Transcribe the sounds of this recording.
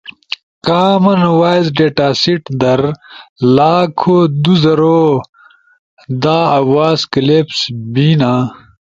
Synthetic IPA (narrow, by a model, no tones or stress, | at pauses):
kaːmɐnwaːjzɖeːʈaːsiʈd̪ɐɾlaːkʰod̪uzɐɾoː | d̪aːɐwaːzkɐlepsbiːnaː